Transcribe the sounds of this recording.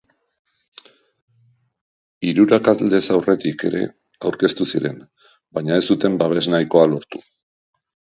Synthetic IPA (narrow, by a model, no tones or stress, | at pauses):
iɾuɾakazld̪e̞sawre̞t̪ike̞̰ɾe̞̰ | awɾke̞st̪usiɾe̞n | baɲae̞st̪ut̪e̞mbaβ̞e̞znajko̞alo̞ɾt̪u̥